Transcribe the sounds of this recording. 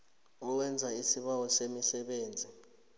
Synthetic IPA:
ɔwɛnd͡zʱaisiɓawɔsemisɛɓeːnd͡zʱi

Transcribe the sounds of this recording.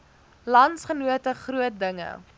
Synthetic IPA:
lɐntsχənuətəχruət̚dəŋə̰

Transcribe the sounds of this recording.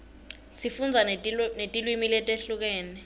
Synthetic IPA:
sifund͡zʱanetʼilwimilɛtʼeɬuk̬ɛːnɛ

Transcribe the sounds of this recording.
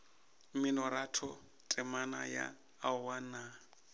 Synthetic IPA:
mɪnɔɾatʰɔ | tʼɛmana̰ja̰ː | wana

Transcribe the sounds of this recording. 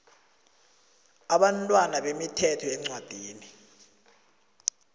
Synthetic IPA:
aɓantʼwanaɓemitʰɛtʰɔɛŋ͡ǀwad̥ʱiːni

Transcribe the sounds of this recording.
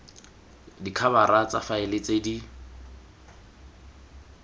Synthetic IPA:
dikʰaβaɾat͡safaɪlɪt͡sʼedi

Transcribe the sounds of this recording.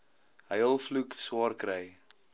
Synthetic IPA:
ɦəjəlˠflukswɑːrkɾəj

